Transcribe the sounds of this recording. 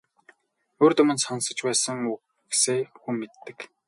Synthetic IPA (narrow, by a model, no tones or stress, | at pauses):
oːrt̪ɵmɵ̆nsansə̆t͡ɕpæːsə̆ŋu | ɡeseːxumːet̪ːɘ̆k